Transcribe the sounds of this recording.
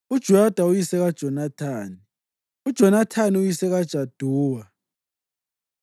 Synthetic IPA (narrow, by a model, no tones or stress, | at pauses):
ud̥ʒ̥ʱuad̥ʱaujisɛɣad̥ʒ̥ʱɔnatʰaːni | ud̥ʒ̥ʱɔnatʰaniujisɛɣad̥ʒ̥ʱad̥ʱuːwa